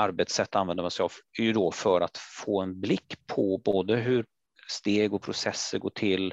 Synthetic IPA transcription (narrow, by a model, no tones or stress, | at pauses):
ʔaɾbɛt̪sɛt̪ːanvɛnd̪əmansɛɪjɑvæjɵd̪ɔfœɾat̪foːɛnblɪkːpʰɔboːd̪əɦɵɾ | st̪eːɡɔpʰɾʊsɛsːəɡoːʈʰɪlː